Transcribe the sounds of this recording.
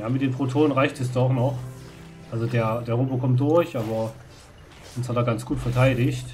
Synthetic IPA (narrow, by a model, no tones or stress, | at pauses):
jaːmɪt̚d̥eːnpʁ̥otʰoːnənʁaɪçtɛs̬d̥ɔχnɔχ | ʔalzodeːɐd̥eːɐʁobokʰɔmt̚d̥ʊɐçʔaːbɐ | ʔʊnshatd̥aːɡansɡ̥uːtfɛɐtʰaɪɾɪçt